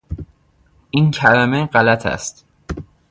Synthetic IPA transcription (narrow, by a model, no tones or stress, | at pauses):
ʔincʰælæme̞ɢælæt̪ʰæ̰st̪